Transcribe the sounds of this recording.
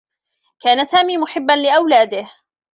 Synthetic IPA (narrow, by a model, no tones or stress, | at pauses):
kaːnasaːmiːmʊħɪbːanlɪʔawlaːd̪ɪh